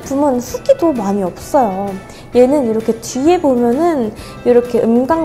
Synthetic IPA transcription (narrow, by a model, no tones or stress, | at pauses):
p͈ʰumɯnsʰɯɡ͈idomaɲiʌp̚s͈ʌjo | je̞nɯniɾʌkʰe̞t͡ɕie̞bomjʌnɯn | iɾʌkʰe̞ɯmɡaŋ